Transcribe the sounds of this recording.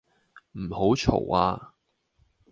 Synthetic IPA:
m̩˨˩ho˨˥wt͡ʃʰo̰˨˩wa̰ː˧

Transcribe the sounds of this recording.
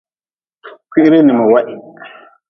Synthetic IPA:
kʰʷi˦ɾe˦ni˨mɔ˨wa˦ʔi˨k

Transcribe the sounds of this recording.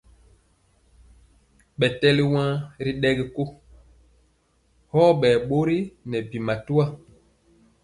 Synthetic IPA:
ɓɛ˨tɛ˦li˦wã˦ɾi˦ɗɛ˦ɡi˦ko˦ | hɔː˦ɓɛː˨ɓo˦ɾi˦nɛ˨bi˨ma˨tu˦a˦

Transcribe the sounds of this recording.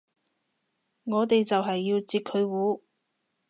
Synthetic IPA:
ŋɔː˨˧t̪e˨jt͡sɐ˨wɦɐ˨jːiː˧wt͡siː˧kʰːɵ˨˧ɥwuː˨˥

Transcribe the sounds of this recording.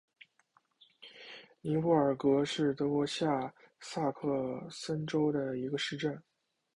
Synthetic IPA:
li˧˥u˥˩ə˞˨˩kɤ˧˥ʂɻ̩˥˩t̪ɤ˧˥kwɔ˧˥ɕja˥˧sa˥˧kʰɤ˥˧sə˥nʈ͡ʂo˥ʊd̪ə˨i˧˥ɡə˧ʂɻ̩˥˧ʈ͡ʂə˥˩n

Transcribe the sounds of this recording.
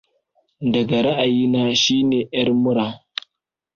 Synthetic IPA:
dɐ˨ɡa˨ɾa˦ʔa˨jiː˦naː˦ʃiː˦neː˨ʔjɐ˦rmʊ˦ɽaː˨

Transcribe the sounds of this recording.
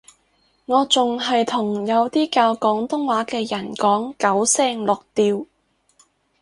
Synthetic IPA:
ŋɔː˨˧t͡sʊ˨ŋɦɐ˨jt̪ʰʊ˨˩ŋjɐ˨˧wt̪iː˥kaː˧wkɔː˨˥ŋt̪ʊ˥ŋwaː˨˥kɛː˧jɐ˨˩nkɔː˨˥ŋkɐ˨˥wsɛː˧˥ŋlʊ˨k̚t̪iː˧w

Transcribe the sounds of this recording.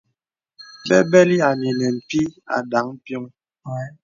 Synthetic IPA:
fɛ˦bɛ˦li˦a˨li˨nɛ˨m̩˨pi˦a̰˨da˨˦ŋ̩˦pjɔ˦ŋ

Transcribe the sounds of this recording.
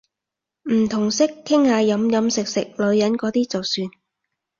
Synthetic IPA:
m̩˨˩t̪ʰʊ˨˩ŋsɪ˥kʰːɪ˥ŋhaː˨˧jɐ˨˥mjɐ˨˥msɪ˨k̚sɪ˨k̚lɵ˨˧˥ɥjɐ˨˥nkɔː˨˧˥t̪iː˥t͡sɐ˨˩wsyː˧n

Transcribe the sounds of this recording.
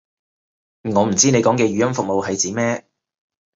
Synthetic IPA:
ŋɔː˨˧m̩˨˩t͡siː˥ne˨˧jkɔː˨˥ŋkɛː˧ɥyː˨˥jɐ˥nfʊ˨k̚mo˨whɐ˨jt͡siː˨˥mɛː˥

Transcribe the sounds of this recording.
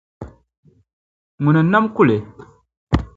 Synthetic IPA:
mu˨na˨na˦mku˦˨le˨

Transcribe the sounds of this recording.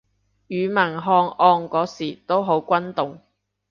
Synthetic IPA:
jyː˨˧mɐ˨˩nɦɔː˧ŋɔː˧ŋkɔː˨˥siː˨˩t̪o˥wɦo˨˥wkʷɐ˥nt̪ʊ˨ŋ

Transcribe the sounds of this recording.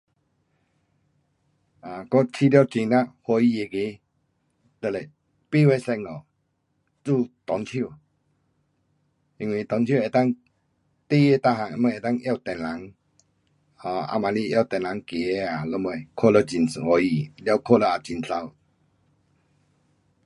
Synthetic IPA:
a˨kɔ˦t͡ɕʰi˦˨lja˧˨wt͡ɕi˧na˧˨hɔ˧i˧˨e˧˨ki˧˦ | lə˧˨le˨ | pi˦˨we˦˨sɛ˧ŋ̚nɔ˨ | t͡su˥˧˨t̪ɔ˨˦ntʰi˦˧˨ | ʔi˧ŋwi˧˨t̪ɔ˨˦nt͡ɕʰji˥˨e˨t̪a˥˨ŋ | t̪i˦˨je˧˨t̪a˧˨ɦa˨ŋ˧˨mə˧˨e˨t̪a˥˧˨ŋʔja˥˧˨wt̪ɛ˨nla˨˦ŋ | hɔ̃˧˨a̰˧˨ma˨li˧˨ʔja˧˩˨t̪ɛ˨nla˨˦ŋki˨e˧˦a˨lə˧˦mə˧jkʰo˦˧˨lə˧t͡ɕi˨n˨hɔ˧i˧˨lja˧˨kʰɔ˦˨lə˧a˨t͡ɕi˨nsa˧˨w

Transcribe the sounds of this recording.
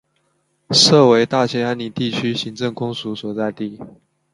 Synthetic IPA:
sɤ˥˩we˧˥ɪt̪a˥˩t͡ɕʰjɛ˥a˧˥ni˨˩t̪i˥˩t͡ɕʰy˥ɕi˧˥ŋʈ͡ʂɤ˥˩ŋkʊ˥ŋsu˧˥swɔ˨˩t͡sa˥˧ɪt̪i˥˩

